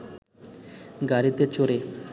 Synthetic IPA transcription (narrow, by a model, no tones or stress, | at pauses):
ɡaɾit̪et͡ɕoɾe